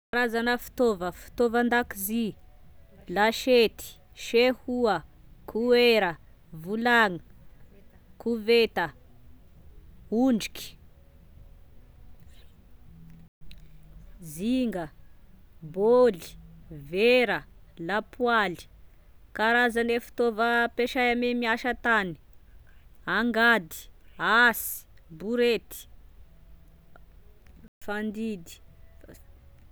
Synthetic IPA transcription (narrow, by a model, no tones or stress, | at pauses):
kaɾazanəfi̥t̪ovəfi̥t̪ovand̪akizi | laʃet̪i̥ | ʃehuəkʰueɾə | vulaŋ | kʰuvet̪ə | uɳɖ͡ʐi̥ki̥ | ziŋɡə | boli̥veɾəlapwali̥ | kaɾazanefi̥t̪ovəpeʃajamemiaʃat̪ani̥ | aŋɡad̪i̥asi̥buɾet̪i̥ | fand̪id̪i̥